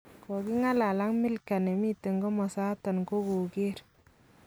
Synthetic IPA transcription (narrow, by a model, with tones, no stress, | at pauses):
ko˨ki˦ŋa˦la˨la˦ŋmi˦lka˨ne˨mi˦te˨ŋɡɔ˦mɔ˨sa˦tɔ˨nko˦ko˨ɡe˦ɾ